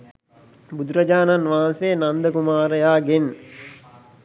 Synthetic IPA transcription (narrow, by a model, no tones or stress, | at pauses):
bud̪uɾɐd͡ʒaːnanʋaɦanseːnand̪əkumaːɾəjaːɡen